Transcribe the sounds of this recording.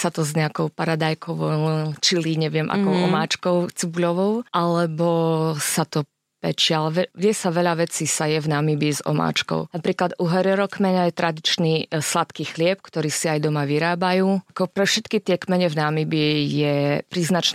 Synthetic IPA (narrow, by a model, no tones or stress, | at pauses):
sat̪ɔzɲɛakɔʊpaɾad̪ajkʰɔʋɔʊt͡ʃiliɲɛʋɪɛmʔa̰kɔʊɔmaːt͡ʃkɔʊt͡sibulɔʋɔʊʔalɛbɔsat̪ɔ | pɛ̰t͡ʃɪalɛʋɛʋɪɛsaʋɛʎaʋɛt͡sisajɛvnamibizɔ̰ma̰ːt͡ʃkɔ̰ʊnapɾiːklad̪uɦɛɾɛɾɔkmɛɲajɛt̪ɾad̪it͡ʃnislat̪kixlɪɛp̚kt̪ɔɾiːsiajd̪ɔmaʋiɾaːbajuːkɔpɾɛfʃɛt̪kit̪ɪɛkmɛɲɛvnamibijɛpɾiːznat͡ʃn